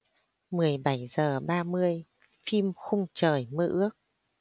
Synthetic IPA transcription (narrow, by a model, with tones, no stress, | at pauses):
mɨ˨˩əjɓa˧˩jzəː˨˩ɓaː˧mɨ˧əj | fi˧mxʊ˧ŋ͡mt͡ɕəː˨˩jmə˧ʔɨ˦˥ək̚